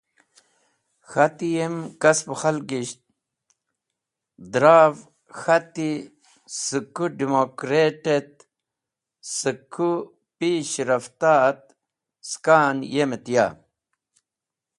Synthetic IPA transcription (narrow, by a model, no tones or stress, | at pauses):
xɐt̪ijemkɐspxɐlɡiɕt̪̚ | d̪ɾaːv | xɐt̪i | sɨkuɖimokɾeːʈet̪̚ | sɨkʰːu | piːɕɾɐft̪aːt̪̚ | skaːnjemet̪ja̰ː